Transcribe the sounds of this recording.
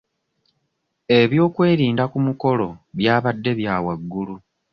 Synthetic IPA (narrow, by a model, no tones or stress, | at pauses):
e̞βjo̞ːkwe̞ːɾiːndakumuko̞lo̞βjaːβadːe̞βjaːwaɡːulu